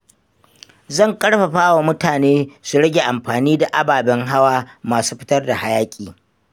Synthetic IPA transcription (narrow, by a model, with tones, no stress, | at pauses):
zɐ˦˨ŋkʼɐ˦ɽɸa˨ɸaː˦wa˨mʊ˦taː˨neː˦su˨ɽɐ˦ɡʲe˨ʔa˨mɸaː˨niː˦da˨ʔa˦baː˨bɛ˦ŋɦa˦waː˦maː˨su̥ː˦ɸɪ̥˦tɐ˦rda˨ha˦jaː˦kʲʼiː˨